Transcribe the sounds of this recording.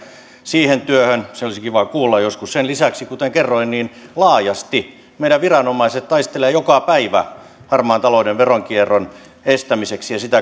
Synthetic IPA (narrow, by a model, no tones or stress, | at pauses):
siːhent̪yøhønseolisikiʋɑkuːlːɑjoskussenlisæksikut̪eŋkerːoinniːnlɑːjɑst̪i | meiɾæʋʋirɑnomɑiset̪t̪ɑist̪eleːjokɑpæiʋæ̰ | hɑrmɑːnt̪ɑloudeʋʋeroŋkierːon | est̪æmiseksijɑsit̪æ